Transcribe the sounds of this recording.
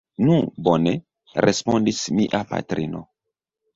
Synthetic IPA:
nubone | ɾʔespondismiʔapa̰tɾino̰

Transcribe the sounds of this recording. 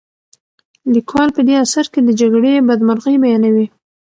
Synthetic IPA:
likwɑlpəd̪easaɾked̪əd͡ʒaɡɽebad̪maɾɣəjbajɑnawi

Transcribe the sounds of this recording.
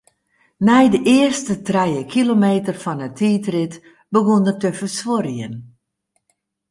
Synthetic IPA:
nɛjdəʔɪərstətrɛjəkʰilomeːtərfɔnətʰiːtrɪt | bəɣondərtəfərsʋoɾjən

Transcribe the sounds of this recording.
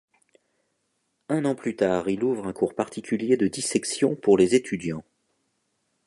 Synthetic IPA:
ɛ̃nɑ̃plyt̪aːʁiluvʁɛ̃kʰuʁpaʁt̪ʰikʲyljed̪əd̪isɛksjɔ̃puʁlezet̪ʰyd̪jɑ̃

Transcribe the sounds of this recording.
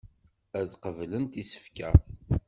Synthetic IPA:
æðqəvlənt̪isə̥fkæ̰

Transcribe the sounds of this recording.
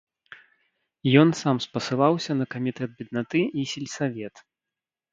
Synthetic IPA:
jɔnsamspɐsɨlˠawsʲɐnɐkɐmʲit̪ɛt̪̚bʲid̪nat̪ɨisʲilʲsavʲɛt̪

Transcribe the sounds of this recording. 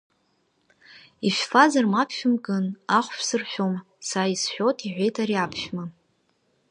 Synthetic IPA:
iʃᶣfazarmapʰʃᶣʊmɡʼɨnaχʷʃʰsɨrʃʷᶣom | saisħʷᶣotʰʼiʕʷejtʰʼaɾiapʰʃᶣma

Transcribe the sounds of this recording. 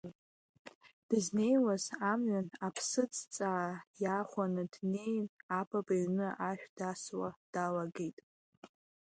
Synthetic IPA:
d̥ɨzne̞jwazamɥanapʰsɨt͡sʰʼt͡sʼajaχʷanɨdne̞jnapʰʼabaɥnɨʔaʃᶣd̥aswad̥alaɡejtʼ

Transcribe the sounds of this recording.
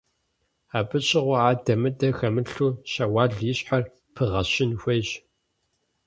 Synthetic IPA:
aːbʼɨɕʰʼɪʁʷɔaːdɐmɨdɐxɐmɨɬuːɕɐwɑːɮjɪɕʼħar | pʰɨʁɐɕɪnxʷejʑ

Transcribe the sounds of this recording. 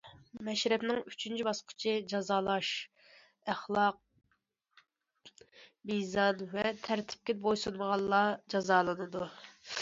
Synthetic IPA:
mɛʃɾɛpnɪŋyt͡ʃʰynt͡ʃʰibɑsqʰʊ̥t͡ʃʰid͡ʒɑzɑːlˠɑʃ | æχlˠɑq̚ | bijzɑnvɛt̪ʰæɾt̪ʰɪ̥p̚kʲɛbojsunməʁɑlˠːɑd͡ʒɑzɑːlˠɨnɨd̪u

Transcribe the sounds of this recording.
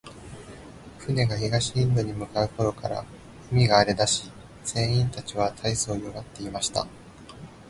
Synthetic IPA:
ɸɯ̟ne̞ɡaçiɡaɕiĩmbɯ̟ɲ̟imɯ̟kaɯ̟ko̞ɾo̞kaɾa̰ | ɯmʲiɡaːɾe̞d̪aɕi | z̥ẽ̞ːĩnt̪at͡ɕiβat̪ʰaiso̞ːjo̞ɡat̪ːe̞imaɕi̥t̪a̰

